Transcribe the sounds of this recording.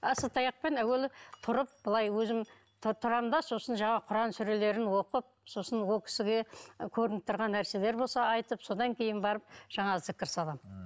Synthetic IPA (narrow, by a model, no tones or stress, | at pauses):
ɑsət̪ɑjɑq̚pe̞næwe̞lt̪ʰʊɾəp̚bəlˠɑjwɵzɪm | t̪ʰʊɾɑmd̪ɑso̞sənʒɑɴɑqʰʊɾɑnsʏɾe̞le̞ɾɪnwo̞qəp̚so̞sənwolˠkʲʰɪ̥sɪɡʲekʲʰɵɾɪnɪp̚t̪ːəɾʁɑnːæɾse̞le̞ɾbo̞lˠsɑɑjt̪əpso̞d̪ɑŋkʲʰe̞jɪnbɑɾəp̚ʒ̥ɑɴɑzɪkʲːɪɾsɑlˠɑm